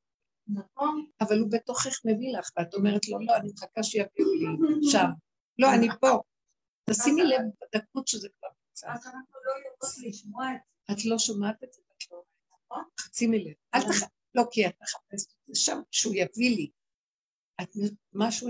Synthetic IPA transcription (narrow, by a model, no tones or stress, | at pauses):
naχonavalubet̪oχeχme̞vilaχveat̪o̞meʁetlo̞lo̞animχakaʃjaviliʃav | lo̞anipo̞ | at̪asimilevad̪ak̚utʃezekvaʁmut͡sa̰nau | atlo̞ʃamat̪et̪etat̪lo | χat͡similevalt̪aχa | lo̞kiat̪̚eχḁp̚eseteʃamʃeujavili | at̪emaʃu